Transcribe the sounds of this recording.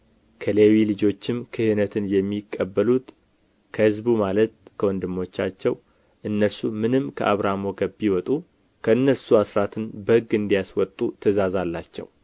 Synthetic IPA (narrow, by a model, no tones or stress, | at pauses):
kʰəlewilɨd͡ʒo̞t͡ʃːɪmkʰɨhɨnət̪ʰɨnjɛmːikʼːəbːəlut̪ | kʰəhɨzbumalət̪̚kʰəwɔnd̪ɨmːo̞t͡ʃːat͡ʃːɛw | ʔɨnːəlsumɨnɨmkʰə̰ʔaβɾamo̞ɡəbːiwɔt̪ʼu | kʰəɨnːəlsuasɾat̪ʰɨnbəhɨɡɨnd̪ijaswɔt̪ʼːut̪ʰəzazalːat͡ʃːɛ̰w